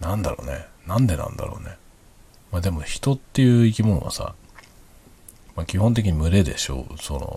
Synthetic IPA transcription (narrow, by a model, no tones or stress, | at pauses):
nãnd̪aɾo̞̰ːnḛnãnd̪e̞nã̰nd̪a̰ɾo̞ːne̞ | maːd̪e̞mo̞çi̥t̪o̞t̪ːe̞jɯ̟ːikʲimõɰ̃βa̰sa̰ | maːkʲihõ̞nt̪̬e̞k̬ʲiɲ̟imɯ̟ɾe̞d̪e̞ɕo̞̰so̞no̞̰